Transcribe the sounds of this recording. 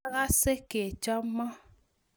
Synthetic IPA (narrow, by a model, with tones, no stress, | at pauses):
ɣa˦se˦ke˨t͡ʃɔ˦mɔ˦